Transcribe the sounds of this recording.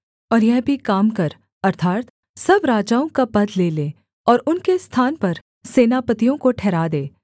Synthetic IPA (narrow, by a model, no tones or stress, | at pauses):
ɔːɾjɛɦbʱikaːmkɐɾ | ɐɾt̪ʰaːt̪ | sɐbɾaːd͡ʒaːõkapɐd̪leleː | ɔːɾʊnkest̪ʰaːnpɐɾ | seːnapət̪ijõkoʈʰɛːɾaːd̪eː